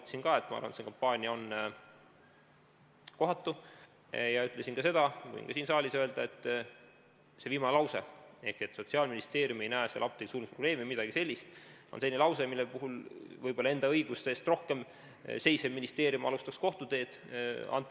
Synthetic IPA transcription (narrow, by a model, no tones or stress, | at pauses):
t̪ːsinkɑe̞t̪ːˑmɑɑ̰rvɑ̰n̰et̪seŋkɑmpːɑːnʲiɑo̞n | ko̞ɦɑt̪ːu | jɑyt̪ˑle̞sinkɑse̞d̪̥ɑkṵḭŋkɑsiːnsɑːlʲisøe̞ld̪̥ɑe̞t̪ˑː | se̞viːmɑnelɑwse̞̰e̞hkie̞t̪ːˑso̞t̪siɑlminist̪e̞ːɾjume̞jnæesḛlɑp̚t̪eɡ̥isuːlmpro̞b̥le̞ːmimid̪̥ɑɡ̥ise̞lʲːist̪o̰nsenʲilɑwse̞milːepuɦulvɤjb̥o̞lːɑend̪ɑɤ̞jɡ̥ust̪eːst̪ro̞hke̞m | se̞jse̞minist̪e̞ːɾjumɑlust̪ɑksko̞ht̪ud̪e̞ːd̪̥ | ɑ̰nt̪ːˑ